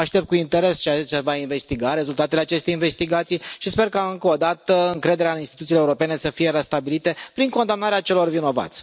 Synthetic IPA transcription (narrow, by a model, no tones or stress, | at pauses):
aʃt̪e̞p̚t̪kuint̪e̞ɾe̞st͡ʃeat͡ʃevainve̞st̪iɡaɾe̞zult̪at̪ele̞at͡ʃe̞st̪ejinve̞st̪iɡat̪sijʃispe̞rkaɨŋkəod̪at̪əɨŋkɾe̞d̪e̞ɾeainst̪i̥t̪ut̪ileuɾope̞ne̞səfije̞ɾest̪abilit̪e̞pɾiŋko̞nd̪amnaɾeat͡ʃe̞lo̞rvino̞va̰t̪sʲ